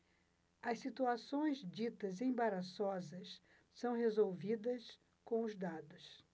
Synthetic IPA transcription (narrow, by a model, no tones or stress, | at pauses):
ɐsit̪uasõj̃zd͡ʒit̪ɐzẽbaɾasɔzɐs | sɐ̃w̃hezowvid̪ɐs | kõw̃ʊzd̪ad̪ʊs